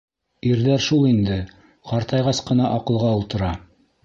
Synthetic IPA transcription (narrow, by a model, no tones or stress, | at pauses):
iɾðæɾʃulˠind̪ɘ | qɑɾt̪ɑjʁɑsqɤ̆nɑʔɑqɤ̆lˠʁɑolˠt̪ɤ̆ɾɑ